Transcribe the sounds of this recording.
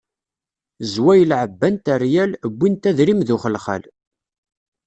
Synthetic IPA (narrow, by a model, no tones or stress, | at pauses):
zwæjəlʕəbːænt̪ərjæləbʷːint̪æðɾimðʊχəlχæ̰l